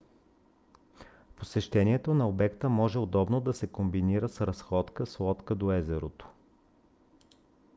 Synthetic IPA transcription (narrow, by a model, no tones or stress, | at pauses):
posɛʃt̪ɛniɛt̪onɐobɛkt̪əmɔʒɛod̪ɔbnod̪ɐsɛkombiniɾəsɾɐsxɔt̪kəslˠɔt̪kəd̪oɛzɛɾot̪o̥